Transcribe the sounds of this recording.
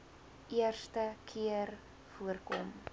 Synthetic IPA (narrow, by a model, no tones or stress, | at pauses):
iərstəkʰiər | fuərkɔ̰m